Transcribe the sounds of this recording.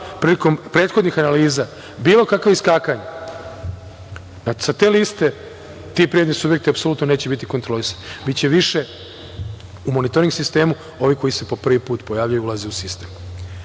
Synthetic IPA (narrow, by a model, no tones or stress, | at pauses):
pɾiliko̞mpɾe̞ːt̪xo̞d̪nixanaliːza | biːlˠo̞kakʋoiskaːkaɲa | nasat̪e̞ːlist̪e̞ | t̪ipɾied̪nesubjekt̪iapso̞luːt̪none̞ːt͡ɕe̞bit̪iko̞nt̪ɾo̞lisḁnbitt͡ɕe̞ʋiʃe̞ | umonit̪o̞ɾiŋɡsist̪e̞ːmu | o̞ʋiko̞ise̞po̞pr̩ʋipuːt̪po̞jaːʋʎajuulazeusist̪e̞ːm